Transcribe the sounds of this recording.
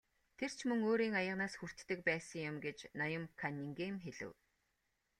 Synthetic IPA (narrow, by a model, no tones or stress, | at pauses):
t̪ʰer̥t͡ɕʰmɵŋoːɾiːŋajə̆ʁnaːsxur̥t̪ːɘ̆k̚pæːsə̆ŋjʊmɡet͡ɕnɔjə̆mkʰaniŋɡemxeɮɘ̰̆w